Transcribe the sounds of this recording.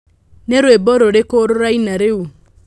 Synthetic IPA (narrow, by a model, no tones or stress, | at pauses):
neɾweboɾoɾekoɾoɾainaɾeu